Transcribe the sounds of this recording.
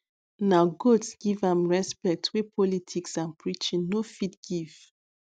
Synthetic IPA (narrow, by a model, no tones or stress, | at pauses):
naɡotsɡ̥ivãmɹɛspɛk̚twepʰɔlitʰiksãnpʰɹit͡ʃĩnːofit̚ɡ̥iv̥